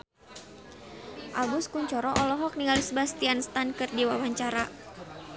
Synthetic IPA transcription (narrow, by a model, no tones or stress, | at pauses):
ʔalbuskuɲt͡ʃɔɾɔʔɔlɔɦɔk̚niŋalisbast̪ianst̪ankɨrdiwawaɲt͡ʃaɾa